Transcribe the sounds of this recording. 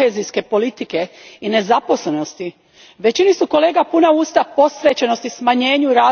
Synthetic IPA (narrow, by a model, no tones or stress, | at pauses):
eːzijske̞po̞lit̪ike̞ine̞zapo̞sle̞no̞st̪i | ʋe̞t͡ɕinisuko̞le̞ːɡapunauːst̪apo̞sʋe̞t͡ɕeno̞st̪ismaɲe̞ːɲuɾaː